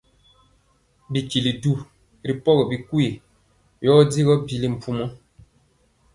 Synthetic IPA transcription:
bi˨ki˨li˨du˦˨ | ɾi˨pɔ˦ɣɔ˨bi˨ku˦e˨ | jɔː˦di˦ɣɔ˦bi˨li˦m̩˨pu˦mɔ˦

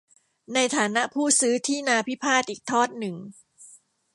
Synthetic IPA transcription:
na˧jt̪ʰaː˩˦na˦˥ʔpʰuː˥˩sɯː˦˥t̪ʰiː˥˩naː˧pʰi˦˥pʰaː˥˩t̪ʔiː˨˩k̚t̪ʰɔː˥˩t̪̚nɯ˨˩ŋ

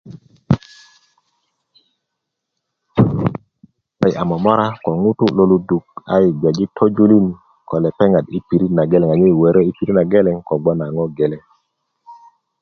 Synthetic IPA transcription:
a˨jʔa˨mɔ˨mɔ˦ɾa˦kɔ˨ŋu˦tu˦lo˨lu˦du˨k̚a˦ji˨ɡa˨d͡ʒi˦tʰo˦d͡ʒu˦li˦˨n | kɔ˨lɛ˨pɛ˦ŋa˨di˦pi˨ɾi˦na˨ɡe˦lɛ˨ŋa˨ɲe˦˨we˨ɾe˦i˦pi˨ɾi˦na˨ɡe˦lɛ˨ŋkɔ˨ɡ͡bɔ˦na˨ŋɔ˦ɡe˨lɛ˦

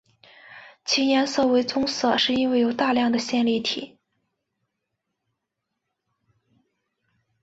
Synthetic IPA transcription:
t͡ɕʰi˧˥jɛ˧˥nsɤ˥˩we˧˥ɪt͡sʊ˥ŋsɤ˥˨˩ʂɻ̩˥˧i˥nwe˥˩ɪjo˨˩ʊt̪a˥˧ljɑ˥˩ŋd̪ə˩ɕjɛ˥˧nli˥˩t̪ʰḭ˨˩˦

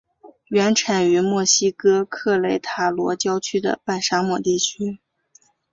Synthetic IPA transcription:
ɥɛ˧˥nʈ͡ʂʰa˨˩ny˧˥mwɔ˥˩ɕi˥kɤ˥kʰɤ˥˩˧le˥˩ɪt̪ʰa˨˩lwɔ˧˥t͡ɕjɑ˥ʊt͡ɕʰy˥d̪ə̰˧˨pa˥˩ɪʂa˥mwɔ˨˩t̪i˥˩t͡ɕʰy˥

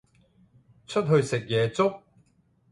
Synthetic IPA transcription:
t͡ʃʰɵ˥t̚ɦɵ˧ɥsɪ˨k̚jɛː˨˧t͡sʊ˥k̚

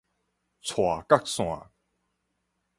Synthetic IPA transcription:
t͡sʰwa˨˩ka˥k̚sw̃a̰˨˩

